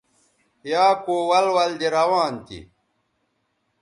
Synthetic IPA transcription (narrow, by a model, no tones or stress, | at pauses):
jaːkoːwɐlwɐld̪iɾɐwaːnt̪ḭ